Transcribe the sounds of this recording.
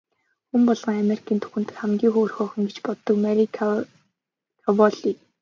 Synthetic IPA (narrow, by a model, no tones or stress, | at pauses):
xumpɔɮʁɞ̆ŋameɾi̥kʰiːnt̪ʰu̥xɘ̆nt̪ɘ̥̆t̪χæmɡʲiːŋxoːrxɔːχɞ̆ŋɡet͡ɕpɔt̪ːɞ̆kmæɾi | kʰɔwɔɮiːk